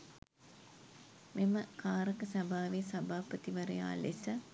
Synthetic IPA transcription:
meməkʰaːɾəkəsabʱaːʋesabaːpət̪iʋɐɾə̰ja̰ːlesə

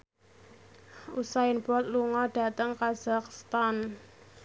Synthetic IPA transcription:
usaɪnbɔt̪̚luŋɔɖ̥a̤t̪əŋkaz̥akst̪an

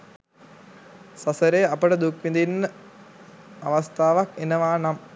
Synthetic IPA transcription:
sɐsɐɾeːɐpɐɽɐd̪ukʋind̪inː | ɐʋɐst̪ʰaːʋɐkenɐʋaːnɐm

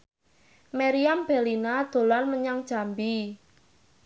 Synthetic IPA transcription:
meɾiamb̥e̤linad̪̥o̤lanməɲaŋd̥ʒ̥a̤mbi

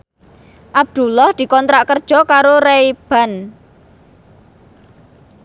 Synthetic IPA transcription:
ʔab̚d̪̥ṳlɔhd̪̥i̤kɔnt̪ɾaʔkərd̥ʒ̥ɔ̤kaɾoɾeb̥a̤n

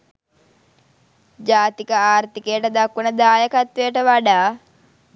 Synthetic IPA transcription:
d͡ʒaːt̪ikəaːɾt̪ikejʈəd̪akːunəd̪aːjəkat̪ʋejəʈəʋaɖaː

